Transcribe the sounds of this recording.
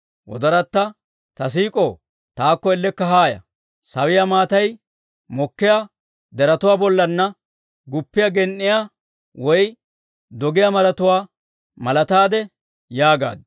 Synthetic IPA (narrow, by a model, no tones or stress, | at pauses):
wɔ̰d̪ɐɾɐt̪ːɐ | t̪ɐs̬iːkʼoː | t̪aːkːɔɛlːɛkːɐɦaːjɐ̰ | sɐwɪjamaːt̪ɐj | mɔkːɪja | d̪ɛɾɐt̪ʊwaːbɔlːɐnːɐ | ɡʊpːɪjaɡɛnːɪjaː | wɔj | d̪ɔɡɪjɐmɐɾɐt̪ʊwaː | mɐlɐt̪aːd̪ɛ | jaːɡa̰ːd̪